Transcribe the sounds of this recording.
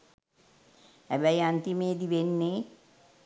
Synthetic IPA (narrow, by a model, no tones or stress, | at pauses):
hæbæjant̪imeːd̪iʋenːeː